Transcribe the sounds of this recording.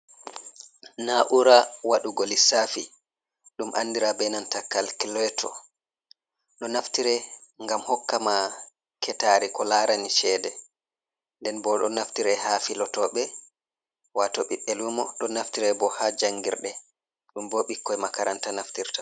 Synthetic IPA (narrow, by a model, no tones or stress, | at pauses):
naʔuɾawaɗuɡolisafi | ɗumʔa̰ndiɾabɛnantakalkilɛtʰɔ̰ | ɗɔnaftiɾɛŋɡamhɔkːama | kʰɛtaɾikɔlaɾʔaniʃɛːdɛ | ndɛnbɔɗɔnaftiɾɛhafilɔtɔɓɛ | watɔɓiɓːɛlumɔɗɔnaftiɾɛbɔhad͡ʒaŋɡḭɾɗɛ | ɗumboɓikːɔjmakaɾantanaftiɾtḁ